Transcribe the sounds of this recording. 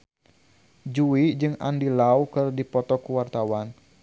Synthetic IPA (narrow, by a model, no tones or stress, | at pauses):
d͡ʒuid͡ʒɨŋa̰ndilawkɨrdipɔt̪ɔkuwart̪awan